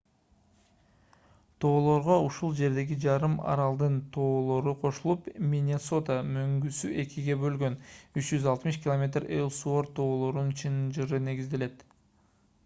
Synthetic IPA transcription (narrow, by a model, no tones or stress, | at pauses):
t̪ʰo̞ːlˠo̞ɾʁo̞uʃulˠd͡ʒe̞ɾd̪e̞ɡid͡ʒɑɾɯmɑ̰ɾɑlˠd̪ɯnt̪ʰo̞ːlˠo̞ɾuqʰo̞ʃulˠupmʲinʲeso̞t̪amøŋɡysyʔe̞kʲiɡe̞bø̞lɡø̞nyt͡ʃd͡ʒyzɑlˠt̪mɨʃ̬kʲɪlˠomʲe̞t̪relˠsuo̞ɾt̪ʰo̞ːlˠo̞ɾunt͡ʃʰɯnɯnd͡ʒɯɾɯne̞ɡizd̪e̞le̞t̪